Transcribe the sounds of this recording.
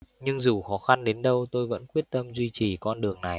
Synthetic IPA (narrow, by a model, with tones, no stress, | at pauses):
ɲɨ˧ŋzu˨˩xɔ˨˦xa˧nɗe˨˦nɗə˧wt̪o˧jvə̰˧˥nkwi˦˥ət̚t̪ə˧mzwi˧t͡ɕi˨˩kɔ˧nɗɨ˨˩əŋna˨˩j